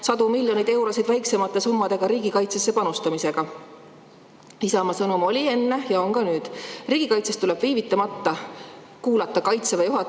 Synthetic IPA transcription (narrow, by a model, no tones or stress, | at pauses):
sɑd̪umilʲjo̞nid̪e̞wɾo̞sid̪væjkse̞mɑt̪ːˑe̞sumːɑd̪̥e̞ɡ̥ɑɾiːɡ̥ikɑjt̪se̞sːe̞pɑnust̪ɑmise̞ɡ̥ɑ | isɑmɑsɤnumo̞lʲie̞nːe̞jɑo̞ŋɡɑnyːd̪̥riːɡ̥ikɑjt̪sest̪ule̞b̥viːvit̪ːˑɑmɑt̪ːɑ | kuːlɑt̪ːˑɑkɑjt̪sevɑjuɦɑ